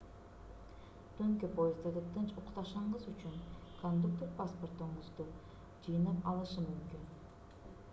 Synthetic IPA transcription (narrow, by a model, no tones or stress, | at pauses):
t̪øŋkʲepojɪzd̪ad̪ɯt̪ʰɯnt͡ʃuqt̪ɑʃɑɴɢɯzyt͡ʃyŋkʰond̪uk̚t̪erpasport̪uɴʁuzd̪u | d͡ʒɯjɯnɑpɑlˠɯʃɯmymkyn